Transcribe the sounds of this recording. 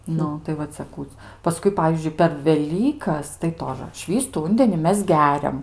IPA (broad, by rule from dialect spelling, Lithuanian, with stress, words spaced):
ˈnʊ tɐɪ ʋɐ ˈt͡sʲɛ ˈkuː pɐˈskʊɪ ˈpɑːʋʲiːzʲd͡ʒʲʊɪ pʲɛr ʋʲɛˈlʲiːkɐs tɐɪ ˈtoːʒə ˈʃʲʋʲiːstʊ ˈuːnʲdʲɛnʲɪ ˈmʲɛs ˈɡʲæːrʲɛm